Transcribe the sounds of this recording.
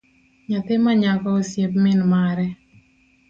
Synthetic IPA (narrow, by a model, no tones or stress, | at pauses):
ɲat̪ɪmaɲakɔosjep̚mɪnmaɾɛ